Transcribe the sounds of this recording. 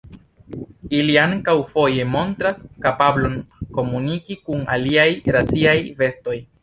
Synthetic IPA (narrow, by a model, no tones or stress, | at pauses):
iliaŋkawfo̞je̞mo̞ntɾaskapablo̞nko̞munikikuna̰liajɾat͡siajve̞sto̞j